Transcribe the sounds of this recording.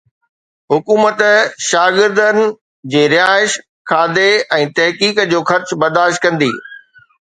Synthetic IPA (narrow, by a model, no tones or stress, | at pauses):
ɦʊkuːmət̪ʃaːɡɪɾd̪ənɪ̆ | d͡ʑeːɾɪjaːɪʃ | kʰaːd̪eɛ̃ːt̪ɐɦkiːkd͡ʑoːxɐɾt͡ɕbɐɾd̪aːʃt̪̚kɐ̃nd̪ḭː